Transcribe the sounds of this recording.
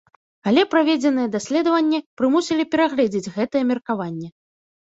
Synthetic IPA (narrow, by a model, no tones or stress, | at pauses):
alʲɛpɾavʲed͡zʲɛn̪ɨjɛd̪asʲlʲɛd̪ɐvɐnʲːɛpɾɨmusʲilʲipʲɛɾaɣlʲɛd͡zʲid͡zʲɣɛt̪ɨjɛmʲɛrkavanʲːɛ